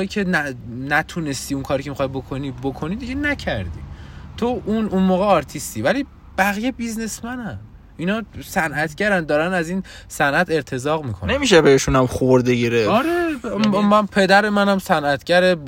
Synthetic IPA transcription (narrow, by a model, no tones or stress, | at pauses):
icʰe̞nænæt̪ʰune̞st̪iːuŋkʰɒːɾikʰcʰemixɒjbo̞kʰonibokʰo̞nid̪iɟe̞næcʰæɾd̪ḭːt̪ʰoʔununmoːɣeɒɾt̪ʰist̪iːvæliː | b̥æɣijebizne̞smænæm | inɒːsænʔæt̪ʰɟæɾænd̪ɒːɾænæziːn | sænʔæt̪ʰe̞ɾt̪ʰe̞zɒːɣmiːkʰonnemiʃebeeʃunæmχooɾd̪eɡiɾeɒɾemænpʰe̞d̪æɾe̞mænæmsænʔæt̪ʰɟæɾe